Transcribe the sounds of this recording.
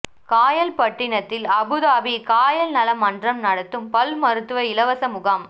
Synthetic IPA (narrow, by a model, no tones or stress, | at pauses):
kaːjɐlpɐʈːɪɳɐt̪ːɪlɐbɯðaːbikaːjɐlnɐlɐmɐndrɐmnɐɽɐt̪ːɯmpɐlmɐɾɯt̪ːɯʋɐɪlɐʋɐsɐmʊɣaːm